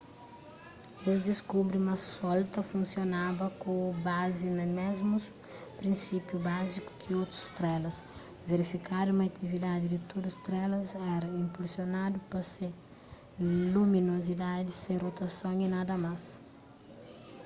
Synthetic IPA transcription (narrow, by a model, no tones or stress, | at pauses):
ewzd̪iskubɾiumɐsɔlt̪ɐfũnsjonabɐkõbazinɐmɛzmus | pɾĩnsipjubaziku̥kʰɪowt̪ɾu̥st̪ɾɛlɐs | veɾifikaɾumɐat̪ʰivid̪ad̪ɪd̪ɪt̪od̪ust̪ɾɛlɐzɛɾɐĩmpulsjonad̪upɐse | lumĩnozid̪ad̪isẽj̃rot̪ɐsõŋinad̪ɐmas